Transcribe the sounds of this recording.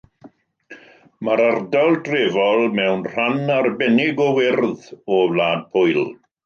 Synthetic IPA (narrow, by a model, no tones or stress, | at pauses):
maɾardalˠdreːvɔlˠmɛwnr̥anarbɛnɪɡɔwɪrðɔblaːd̚pʰʊjlˠ